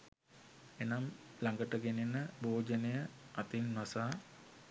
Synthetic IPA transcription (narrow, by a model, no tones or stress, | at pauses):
enamlaŋɡəʈəɡenenəboːd͡ʒənəjəat̪inːʋasaː